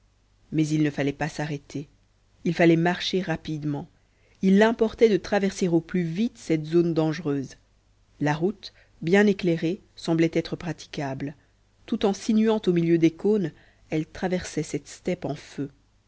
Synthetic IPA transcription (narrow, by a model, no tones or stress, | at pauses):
mɛzilnəfalɛpasaʁɛt̪ʰe | ilfalɛmaʁʃeʁapid̪mɑ̃ | ilːɛ̃pɔʁt̪ɛd̪ət̪χavɛʁseʁoplyvit̪sɛt̪zond̪ɑ̃ʒʁøːz | laʁut̪ | bjɛ̃neklɛʁe | sɑ̃blɛt̪ɛt̪χəpχat̪i̥kabl | t̪ut̪ɑ̃sinyɑ̃t̪omiljød̪ekon | ɛlt̪χavɛʁsɛsɛt̪st̪ɛpɑ̃fø